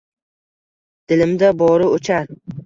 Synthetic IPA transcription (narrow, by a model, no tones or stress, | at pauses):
d̪̥ɪlɪmd̪abɒɾɪot͡ʃʰaɾ